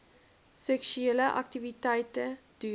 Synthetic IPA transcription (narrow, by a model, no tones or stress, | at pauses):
sɛksʉɛləʔɑ̰k̚t̪ɪʋɪt̪ʰæːt̪əd̪̥yː